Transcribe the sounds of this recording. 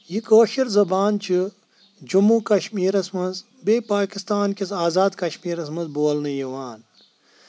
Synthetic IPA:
jikoːʃiɾzɐbaːnt͡ʃʰɨ | d͡ʒumːukɐʃmiːɾɐsmɐnz | beːpaːkist̪aːnkisaːzaːd̪kɐʃmiːɾɐsmɐzboːlnɨjiʋaːn

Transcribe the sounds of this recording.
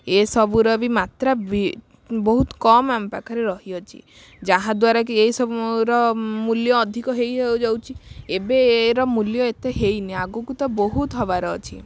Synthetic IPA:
esɔbuɾɔbimat̪ɾabi | bɔɦut̪kɔmampakʰaɾeɾɔɦiɔt͡ʃʰḭ | d͡ʒaɦãd̪waɾakieisɔbuɾɔmuljɔːd̪ʱikɔɦejɦewd͡ʒawt͡ʃʰiebeːɾɔmuljɔet̪eɦejniaɡukut̪ɔbɔɦut̪ɦɔbaɾɔːt͡ʃʰḭ

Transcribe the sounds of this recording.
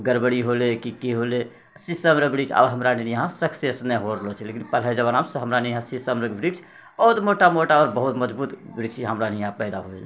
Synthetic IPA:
ɡəɾbəɽiɦolekikiɦole | sisəmɾəbɾikt͡ʃʰa̰bɦəmɾaninəɦãsəkʰsesnɛɦoɾəlɔt͡ʃʰɛlekinpəlɦɛd͡ʒəβanamsəɦəmɾanɛjəɦãsisəmɾəɡbɾikt͡ʃʰ | bəɦut̪moʈamoʈaɔɾbəɦut̪məd͡ʒbut̪bɾikt͡ʃʰɦəmɾanɛjɦãpɛɪd̪aɦoel

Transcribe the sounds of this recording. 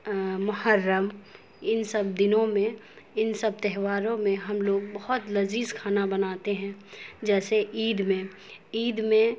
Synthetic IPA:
mʊɦəɾːəm | ɪnsəbd̪ɪnõmẽ | ɪnsəb̚t̪ɛɦʋaːɾõmẽɦɐmloːɡbɐɦʊt̪lɐziːskʰaːnabɐnaːt̪eɦɛ̃d͡ʒɛːseʔiːd̪mẽ | iːd̪mẽ

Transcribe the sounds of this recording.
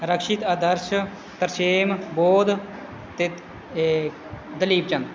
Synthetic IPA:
ɾəkʃɪt̪aːd̪əɾʃ | t̪əɾseːmboːd̪ | t̪eː | d̪əliːb̚t͡ʃənd̪

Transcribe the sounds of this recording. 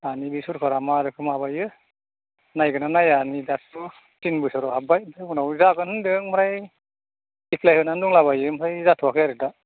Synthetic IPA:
anibisuɾkʰɔɾamaɾɯkʰɯmabajɯ | najɡɯnanajanidasu | sinbɯsɔɾɔɦabajdɯunawzakɯnhɯndɯŋmɾaj | ipʰlajhɯnanduŋlaβajɯmɾajzatʰuwakʰɯjaɾɯda

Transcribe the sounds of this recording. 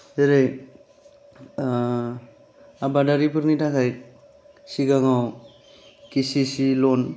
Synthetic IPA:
eɾej | abadaɾipɯɾnitakʰajt̚ | siɡaŋaw | kisisilɔn

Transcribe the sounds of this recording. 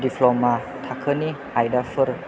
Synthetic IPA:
dipʰlɔma | t̪ʰakʰəni | ajdafʰɯɾ

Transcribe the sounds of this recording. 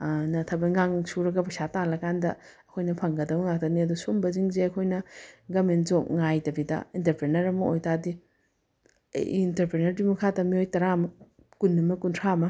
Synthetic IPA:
nɐtʰabɐŋɡaŋsuɾɐɡɐbɐsatalɐkandɐɐkʰojnɐpʰɐŋɡɐdɐmɐŋak̚tɐniɐdɔsombɐziŋzeɐkʰojnɐɡɐmenzok̚ŋajtɐbidɐ̰intɐɾpɾenɐɾɐmɐojtadi | jintɐɾpɾenɐɾbimɐkʰatɐmiojtɐɾamɐ | kunːɐmɐkuntʰamɐ

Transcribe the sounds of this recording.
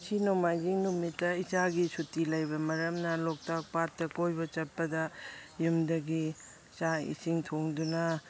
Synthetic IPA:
sinawmajd͡ʒiŋnumitːɐit͡ʃaɡisutilɐjbɐmɐɾɐmnɐlok̚tak̚pat̚ːɐkojbɐt͡ʃɐt̚pɐdɐjumdɐɡi | t͡ʃaḭsiŋtʰoŋdunɐ

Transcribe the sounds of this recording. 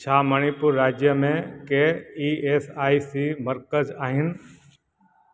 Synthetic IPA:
t͡ʃʰaːməɽ̃ipʊɾːaːd͡ʒjəmẽkeiːeːsaːisiməɾkəzaːɦɪn̆

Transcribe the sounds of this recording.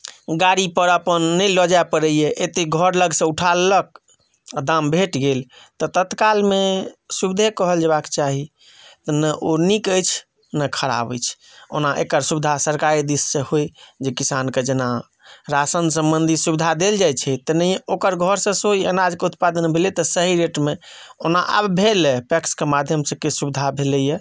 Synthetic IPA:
ɡaɾipəɾəpənːəjlɔd͡ʒaepəɾəjeʔet̪eɡʱəɾləɡsẽuʈʰalːək̚ | d̪ambʱeʈɡelt̪ɔt̪ət̪kalmesubid̪ʱekəɦəld͡ʒebake̥t͡ʃaɦi | t̪ɔnəʔonikəjt͡ʃʰ | nəkʰəɾa̰bə̰jt͡ʃʰ | o̰naʔḛkəɾsubid̪ʱasəɾkaɾid̪isːẽhojd͡ʒekisanked͡ʒena | ɾasənsəmbənd̪ʱisubid̪ʱad̪eld͡ʒajt͡ʃʰɛt̪ənəjokəɾɡʱɔɾsə̃soiənad͡ʒkeut̪pad̪ənbʱelet̪ɔsəɦiɾeʈmeonaʔa̰bbʱelepɛkskemad̪ʱjəmsə̃kesubid̪ʱabʱeləje

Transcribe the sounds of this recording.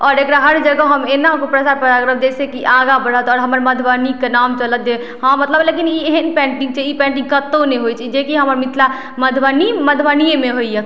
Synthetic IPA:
ɔɾekɽaɦəɾd͡ʒəɡəɦəmenakopɾəsaɾpəɾaɡɾəbd͡ʒesekiʔaɡabəɽ̤ɦət̪ɔːɾɦəməɾməd̪ʱbanikːenamt͡ʃələt̪̚d͡ʒe | ɦãmət̪ləblek̬inieɦənpɛ̃ɳʈĩŋɡt͡ʃʰɛipɛ̃ɳʈĩŋkət̪ːoneɦojt͡ʃʰid͡ʒekiɦəməɾmit̪ʰla | məd̪ʱbaniməd̪ʱbanijemeɦoijə

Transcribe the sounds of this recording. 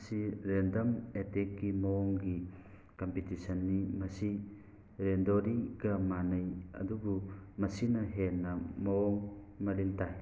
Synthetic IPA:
siɾendɐmetekːimɐoŋɡi | kompitisɐnːimɐsi | ɾendoɾiɡɐmanɐjɐ̰dubumɐsinɐɦenːɐmɐoŋ | mɐlintaj

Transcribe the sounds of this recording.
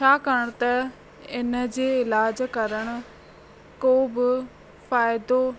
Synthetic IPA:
t͡ɕʰaːkəɽ̃t̪ɐ | ɪnəd͡ʑeːɪlaːd͡ʑkɐɾəɽ̃ʊ̆ | koːbɪ | faːɪd̪o

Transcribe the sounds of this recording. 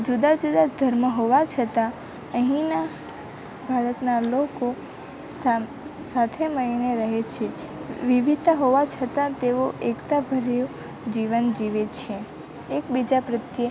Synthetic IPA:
d͡ʒud̪ad͡ʒud̪ad̪ʱəɾməɦoʋat͡ʃʰət̪ã | əɦĩna | bʱaɾət̪naloko | sa | sat̪ʰeməɭineɾəɦet͡ʃʰe | ʋiʋidt̪aɦoʋat͡ʃʰət̪ãt̪eʋoʔekt̪abʱəɾjo | d͡ʒiʋənd͡ʒiʋet͡ʃʰe | ekbid͡ʒapɾət̪jə

